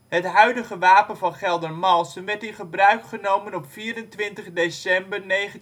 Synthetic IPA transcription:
ɦətɦœɥdəχəʋaːpənvɑnχɛlˠdərmɑlˠsənʋɛɹtɪnχəbrœɥkχənowmənɔpfiːɾəntʋɪntəχdesɛmbərnejχə

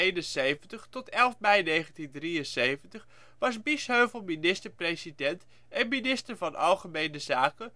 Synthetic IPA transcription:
ejnənsejvəntəχtɔtɛlˠfmɛjnejχəntindriənsejvəntəχ | ʋɑsbisɦøɥvəlˠminɪstəɹpresidɛnt | ɛnminɪstəɹvɑnʔɑ̰lˠχəmejnəzaːkə

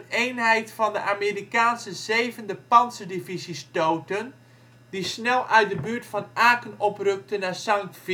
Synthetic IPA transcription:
eːnɦɛjtfɔndəʔaːmirikaːnsəzeːvəndəpɑnsədivisistowtən | d̥isnɛlˠʔœɥt̚dəbytfɔnaːkənɔprøk̚tənasɑŋkf

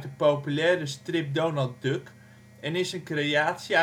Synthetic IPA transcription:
təpowpylɛːrəstrɪp̚downalˠt̚døk | ɛnɪsənkreaːtsia

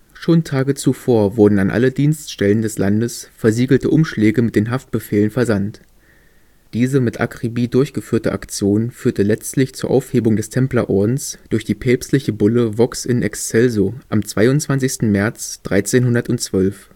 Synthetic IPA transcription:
ʃoːntʰaːɡət͡sufoːɐvʊɐdn̩anʔa̰lədiːnstʃtɛləndɛslandəsfɛɐziːɡl̩təʔʊmʃlɛːɡəmɪt̚d̥eːnɦaft̚b̥əfeːlənfɛɐzant | d̥iːzəmɪtʔa̰kʁ̥ibiːdʊɐçɡ̥əfyːɐtəʔa̰kt͡sjoːnfyːɐtəlɛt͡stlɪçt͡suːɐʔa̰ʊfheːbʊŋdɛstʰɛmplaʔɔɐdn̩sd̥ʊɐçd̥iːpʰɛːpstlɪçəbʊləvɔksɪnɛ̰kst͡sɛlzoʔamt͡sv̥aɪʊnt͡sv̥ant͡sɪçstn̩mɛɐt͡sd̥ʁaɪt͡seːnɦʊndɐtʊnt͡sv̥œlf

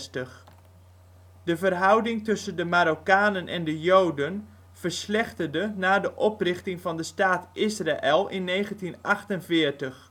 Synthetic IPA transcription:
stəχ | dəvərɦʌwdɪŋtɵsəndəmaɾokaːnənʔɛ̰ndəjowdən | v̥əɹslɛχtərdənaːdəʔɔprɪχtɪŋvɑndəstaːtɪsraʔɛlˠʔɪnːejχəntinʔɑχtənvɪːɹtəχ

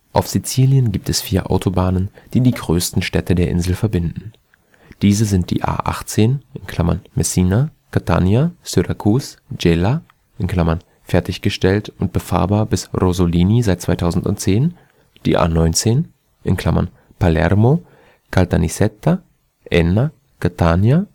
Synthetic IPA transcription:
ʔaʊfz̥it͡siːljənɡiːp̚tɛsfiːɐʔa̰ʊtʰobaːnənd̥iːdiːɡʁøːstn̩ʃtɛtʰədeːɐʔɪ̰nzl̩fɛɐbɪndn̩ | d̥iːzəzɪnt̚d̥ḭːʔa̰ːʔa̰χt͡seːnʔɪnkʰl̥amɐ̰nmɛsiːnakʰatʰa̰njasyʁakʰuːsd͡ʒɛla | ʔɪnkl̥amɐn | fɛɐtɪçɡ̥əʃtɛltʊnt̚b̥əfa̰ːɐbaːɐbɪsʁozoliːnizaɪt̚t͡sv̥aɪtʰaʊzn̩tʊ̰ntt͡seːn | d̥ḭːʔa̰ːnɔʏnt͡seːn | ʔɪnkl̥amɐ̰n | palɛ̰ʁmo | kʰaltʰanisɛtːa | ʔɛna | kʰatʰaːnja

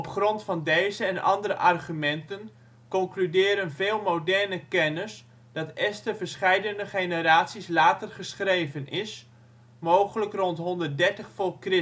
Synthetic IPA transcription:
ɔpχrɔntfɑndejzəɛnʔɑ̰ndəɾəʔɑrχymɛntən | kɔŋklydɪːɾənvɪːlˠmowdɛrnəkɛnəs | d̥ɑtɛstəvəɹsχɛjdənəχejnəɾaːsislaːtərχəsχrejvənɪs | mowχələkrɔntɦɔndərt̚dɛɹtəχfɔlˠkrɪ

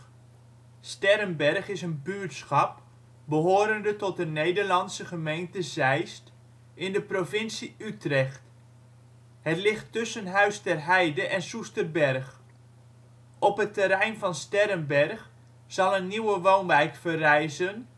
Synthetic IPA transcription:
stɛɾənbɛrχɪsənbyɹtsχɑp̚ | bəɦoːɾəndətɔt̚dənejdəɹlɑnsəχəmejntəzɛjst | ʔɪndəprovɪnsiytrɛχt | hətlɪχtʏsənɦœɥstɛrɦɛjdəʔɛnsustərbɛrχ | ʔɔpɦətəɾɛjnvɑnstɛrənbɛrχ | z̥ɑlˠənːiwəʋownʋɛjkfərɛjzən

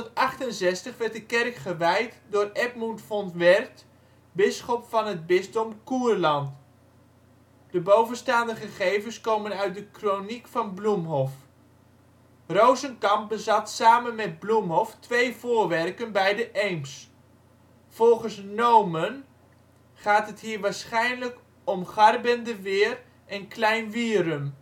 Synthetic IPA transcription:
ətɑχtənzɛstəχʋɛɹt̚dəkɛrkχəʋɛjtdʊːrɛtmuntfɔntʋɛrt | bɪsχɔpfɑnɦəd̚bɪstɔmkuːrlɑnt | d̥əbowvənstaːndəχəχejvənskowmənœɥt̚dəkronikfɑnblumɦɔf | rowzənkɑmp̚bəzɑtsaːmənmɛd̚blumɦɔftʋejv̥ʊːɹʋɛrkənbɛjdəʔɛjms | v̥ɔlˠχəsnowmən | χaːtɦətɦiːɹʋaːɹsχɛjnlək | ɔmχɑrbəndəʋɪːr | ʔɛnklɛjnʋiərəm

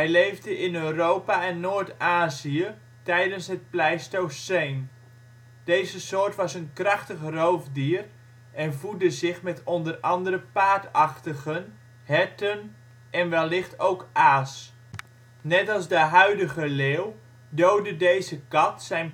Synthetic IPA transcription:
ɦɛjlejvdəʔɪnøːrowpaɛnːoːɹtaːziə | tɛjdənsɦət̚plɛjstowsejn | d̥ejzəsʊːɹtʋɑsənkrɑχtəχrowfdiːər | ʔɛnvulˠdəzɪχmɛtɔndərɑndərəpaːtɑχtəɣən | hɛtən | ʔɛnʋɛlːɪχtowkʔaːs | nɛtɑlˠzdəɦœɥdəɣəleːw | dowdədejzəkɑtsɛjn

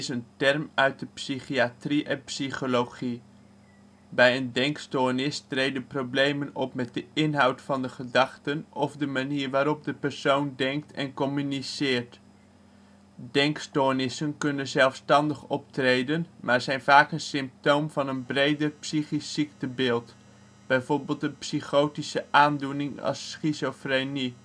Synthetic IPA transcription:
ɪsəntɛrmœɥt̚dəpsiχiatriʔɛnpsiχolowχi | bɛjəndɛŋkstoːnɪstrejdənprowblejmənɔpmɛt̚dəɪnɦɑwtfɑndəχədɑχtənɔvdəmaniːrʋaːɾɔp̚dəpɛrsowndɛŋk̚tʰɛ̰nkɔmynisɪːrt | dɛŋkstoːnɪsənkɵnənzɛlˠfstɑndəχɔptrejdənmʔaːɹzɛjnvaːkənsɪmp̚towmvɑnənbrejdərpsiχisiktəbɪːlˠt | b̥ɛjvoːɹbɪːlˠtənpsiχowtisəʔaːndunɪŋɑ̰sχisofreni

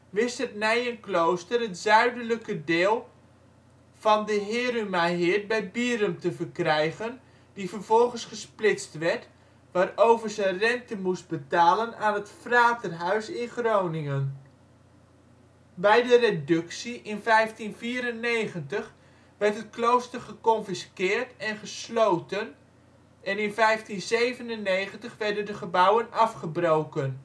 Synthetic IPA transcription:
ʋɪstətnɛjənklowstərətzœɥdələkədɪːlˠ | v̥ɑndəɦɪːɾymaɦɪət̚bɛjbiːɾəmtəvərkrɛjɣən | difərvɔlˠχənsχəsplɪstʋɛrt | ʋaːrowvərzənrɛntəmust̚bətaːlənaːnətfraːtərɦœɥsɪnχroːnɪŋən | bɛjdəredʏksiʔɪnfɛjftinviːɾənːejɣəntəχ | ʋɛrtɦət̚klowstərχəkɔnfiskɪːrtɛnχəslowtən | ʔɛnɪnfɛjftinzejvənənːejχəntəχʋɛrdəndəχəbawənɑfχəbrowkən

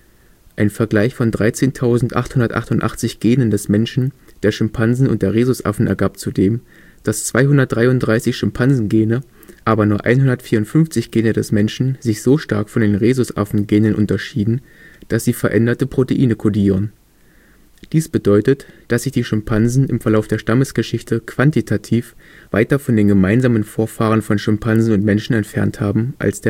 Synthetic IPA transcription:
ʔaɪnfɛɐɡlaɪçfɔndʁaɪt͡seːntʰaʊzn̩tʔa̰χthʊndɐtʔaχthʊntʔa̰χt͡sɪçɡ̥eːnəndɛsmɛnʃn̩d̥eːɐʃʏmpʰanzn̩ʊntd̥eːɐʁeːzʊsʔa̰fn̩ɛ̰ɐɡaːp̚t͡sudeːm | d̥ast͡sv̥aɪɦʊndɐt̚d̥ʁaɪʊntd̥ʁaɪsɪçʃʏmpʰanzn̩ɡeːnə | ʔaːbɐnuːɐʔa̰ɪnɦʊndɐtfiːɐʊntfʏnft͡sɪçɡ̥eːnədɛsmɛnʃn̩zɪçz̥oːʃta̰ɐkfɔndeːnʁeːzʊsʔa̰fn̩ɡeːnənʔʊ̰ntɐʃiːdn̩ | d̥asz̥iːfɛɐʔɛndɐtəpʁ̥oteʔiːnəkʰodiːʁ̞ən | d̥iːsb̥ədɔʏtətd̥asz̥ɪçd̥iːʃʏmpʰanzn̩ɪmfɛɐlaʊfd̥eːɐʃtaməsɡ̥əʃɪçtʰəkv̥antitʰatʰiːf | v̥a̰ɪtɐfɔndeːnɡəmaɪnzaːmənfoːɐfaːʁ̞ənfɔnʃʏmpʰanzn̩ʊntmɛnʃn̩ɛntfɛɐnthaːbm̩ʔa̰lsd̥eːɐ

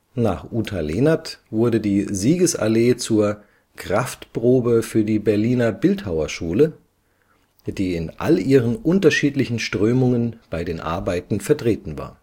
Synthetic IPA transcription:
naːχʔuːtʰaleːnatv̥ʊɐdədiːziːɡəsʔa̰leːt͡suːɐ | kʁ̥aftpʁ̥oːbəfyːɐdiːbɛɐliːnɐbɪlthaʊɐʃuːlə | d̥iːɪnʔa̰lʔiːʁ̞ənʔʊntɐʃiːtlɪçn̩ʃtʁ̥øːmʊŋənb̥aɪdeːnʔa̰ɐbaɪtn̩fɛɐtʁ̥eːtn̩va̰ːɐ

